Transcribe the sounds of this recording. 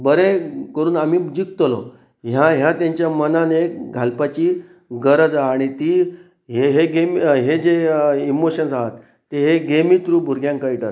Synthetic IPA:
bəɾekəɾuːnam̤iːd͡ʑik̚t̪lɔ̰ | ɦjãɦjãt̪jãɲt͡ɕjamənaneɡʱalpat͡ɕiː | ɡəɾəd͡zaːɽ̃it̪iː | ɦeɦeɡemɦed͡zeimoɕənsaɦat̪ː | eɦeɡemiːt̪ɾuːbʱuɾɡjãŋkajʈat̪

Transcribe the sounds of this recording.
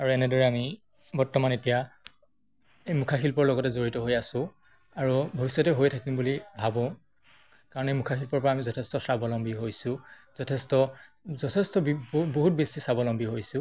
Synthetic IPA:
aɹuɛnɛdɔɹɛami | bɔɹtɔmanetija | ejmukʰaxilpɔɹlɔɡɔtɛzoɹitɔɦojasʊ̃ | aɹubʱobisːɔtɛɦojtʰakimbulibʱabɔ̃ | kaɹɔnejmukʰaxilpɔɹpɔɹaːmizɔtʰɛstɔsɹabɔlɔmbʱiɦojsʊ̃ | z̥ɔtʰɛstɔzɔtʰɛstɔbboɦut̚besisabɔlɔmbiɦojsʊ̃

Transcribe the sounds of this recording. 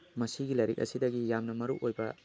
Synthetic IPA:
mɐsiɡilɐjɾik̚ɐ̰sidɐɡijamnɐmɐɾukojbɐ̰

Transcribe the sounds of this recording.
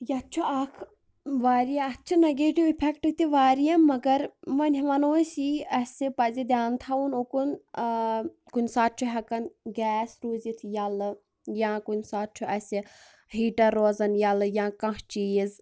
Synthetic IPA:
jɐt̪t͡ʃʰuɐkʰ | ʋaːɾijaɐt͡ʃʰunɐɡeːʈiʋipʰɛkʈɨk̚t̪iʋaːɾijɐmːɐɡɐɾmɐnʲiʋɐnoːsiɐsipɐzid̪ʲjaːnt̪ʰɐunokun | kunʲsaːt̪̚t͡ʃʰuɦɐkɐnɡɛːsɾoːzit̪ʰjɐlɨ | jãːkunʲsaːt̪̚t͡ʃʰuʔɐsʲi | hiːʈɐɾːoːzɐnjɐlɨjãːkɐ̃ɦt͡ʃiiz

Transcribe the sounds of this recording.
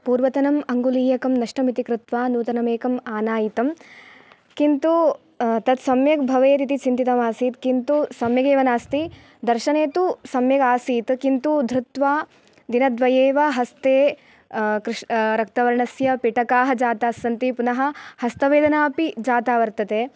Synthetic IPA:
puːɾʋɐt̪ɐnɐmɐŋɡuliːjɐkɐmnɐʂʈɐmit̪ikɾut̪ʋaːnuːt̪ɐnɐmeːkɐmaːnaːjit̪ɐm | kint̪u | t̪ɐt̪sɐmjɐk̚bʱɐʋeːt̪̬it̪it͡ʃint̪it̪ɐmaːsiːt̪kint̪usɐmjɐɡeːʋɐnaːst̪i | d̪ɐɾʃɐneːt̪usɐmjɐɡaːsiːt̪kint̪ud̪ʱɾut̪ʋaː | d̪inɐd̪ʋɐjeːʋɐɦɐst̪eː | kɾʂɾɐk̚t̪ɐʋɐɾɐɳɐsjɐpiʈɐkaːɦɐ̆d͡ʒaːt̪aːsːɐnt̪ipunɐɦɐ̆hɐst̪ɐʋeːd̪ɐnaːpid͡ʒaːt̪aːʋɐɾt̪ɐt̪eː

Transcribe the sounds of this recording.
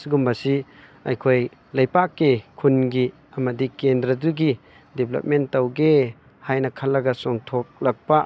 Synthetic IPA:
siɡumbɐsi | ɐ̰jkʰoj | lɐjpakːekʰunɡi | ɐmɐdikendɾɐduɡi | depʰlɐ̰p̚mentɐwɡe | hajnɐkʰɐlːɐɡɐsɔŋtʰok̚lɐk̚pɐ

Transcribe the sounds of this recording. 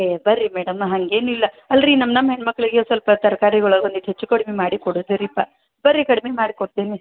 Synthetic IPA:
ebɐɾimeːɽɐmɦɐŋɡe̞ːnuilːɐ | ɐlɾinɐmnɐmːɦeɳːmɐkːɭiɡesʋɐlpɐt̪ɐɾɐkaːɾiɡoɭɐɡɐnd̪iʈ̪ɦet͡ʃːukɐɽmemaːɽikoɽod̪ɐɾipːa | bɐɾikɐɽmemaːɽikoɽt̪eːni

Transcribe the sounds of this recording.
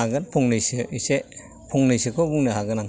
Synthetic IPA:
aɡɯnpʰuŋnɯjsɯise | pʰuŋnɯjsɯkʰɔbuŋnɯɦaɡɯnaŋ

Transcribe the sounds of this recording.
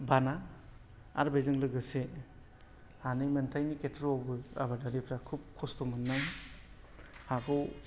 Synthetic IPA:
bana | a̰ɾbezɯŋlɯɡɯse | anɯjmentʰajniketʰɾɔwbɯa̰badaɾipʰɾakʰup̚kʰɔstɔmɯnːaj | hakʰɔw

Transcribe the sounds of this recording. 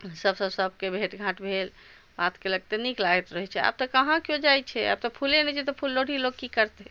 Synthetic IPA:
səbsəbsəb̚ʱkebʱeʈɡʱãʈbʱel | bat̪keləɡ̚t̪eniklaet̪ɾəɦɛt͡ʃʰɛa̰b̚t̪əkəɦãkjod͡ʒajt͡ʃʰɛa̰b̚t̪ɔpʰulenɛt͡ʃʰɛt̪ɔpʰulːoɽ̤ʱiloɡ̚kikəɾt̪eɛ

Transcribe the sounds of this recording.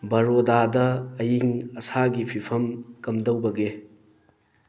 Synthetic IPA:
bɐɾodadɐːjiŋɐsaɡipʰipʰɐmkɐmdɐwbɐɡe

